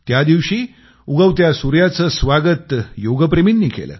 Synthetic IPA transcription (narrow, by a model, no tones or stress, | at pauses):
t̪jad̪iʋɕiː | uɡəʋt̪jasuɾjat͡səsʋaɡət̪joɡəpɾeminːiːkḛlə̰ː